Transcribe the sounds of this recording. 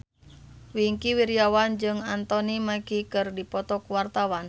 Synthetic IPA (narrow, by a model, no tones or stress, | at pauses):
wiŋkiwiɾijawand͡ʒɨŋant̪ɔnimakikɨrdipɔt̪ɔkwart̪awan